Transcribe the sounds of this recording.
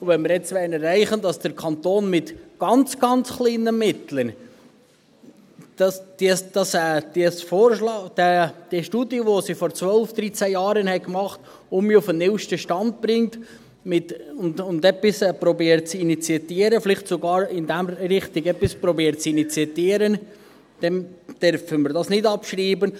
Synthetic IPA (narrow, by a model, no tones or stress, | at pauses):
vɛnmɪɾɛt͡sʋɛɪnɛrɛɪχənd̥ɑsd̥əɾkʰɑnt̪oːnmɪtɡ̥ɑnt͡sɡ̥ɑnt͡sχliːnəmɪt̪lən | d̥ɑsd̥isd̥ɑsɛd̥iəsfoːɾʃlɑːd̥ɛd̪̥iʃtuːdiəʋosifɔɾt͡sʋœlfd̪̥ɾit͡sæjɑːɾənhɛɪkmɑχt̪ | ʊmiʊfənɪwʃtəʃtɑnd̪̚b̥ɾɪŋt | mɪtʊndʊnd̪ɛpːisɛpɾɔbiːəɾtt͡sinit͡siɛt̪iːəɾəflɪχtsoɡɑːɾɪnd̪æmɾɪχt̪iɡɛpispɾɔbiːɾtt͡sinit͡siɛt̪iːəɾən | d̥ɛnd̪̥œɾfəməɾdɑsnɪdɑpʃɾiːbən